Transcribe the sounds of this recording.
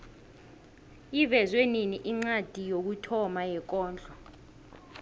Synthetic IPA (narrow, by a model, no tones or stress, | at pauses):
ivɛzweniniʔiŋ͡ǀad̥ʱijok̬utʰɔmajɛk̬ɔːnd͡ɮʱɔ